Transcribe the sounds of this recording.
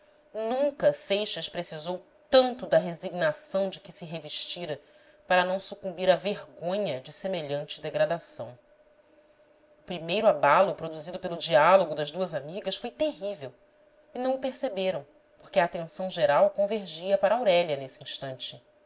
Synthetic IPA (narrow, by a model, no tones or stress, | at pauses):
nũŋkɐsejʃɐʃpɾesizow | t̪ɐ̃nt̪ʊd̪ɐɦeziɡnasɐ̃w̃d͡ʒɪkɪsɪɦeviʃt͡ʃiɾɐ | paɾɐnɐ̃w̃sukũmbiɾɐveɦɡõɲɐd͡ʒɪsemeʎɐ̃nt͡ʃɪd̪eɡɾad̪asɐ̰̃w̃ | ʊpɾimejɾʊabalʊpɾod̪uzid̪ʊpelʊd͡ʒialoɡʊd̪ɐzd̪uɐzamiɡɐsfojt̪eɦivew | ɪnɐ̃w̃ʊpeɾsebeɾɐ̃w̃ | poχkɪɐaːt̪ẽsɐ̃w̃ʒeɾawkõveɾʒiɐpaɾɐawɾɛlɐnesĩʃt̪ɐ̃nt͡ʃɪ